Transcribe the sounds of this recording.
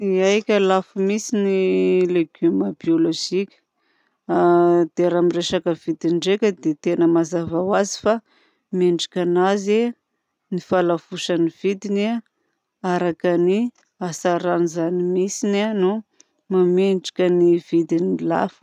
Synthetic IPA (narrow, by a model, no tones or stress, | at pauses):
iajkʲəlafumisinileɡyməbioloʒikʲə̥ | d̪̥eɾamireʃakəvid̪iɳɖ͡ʐekʲəd̪et̪enəmazavawazi̥fa | meɳɖ͡ʐikʲanaze | nifalav̥uʃaniv̥id̪ina | aɾakani | asaɾanizanimisinanu | mameɳɖ͡ʐi̥kʲənivid̪inila̰fə̥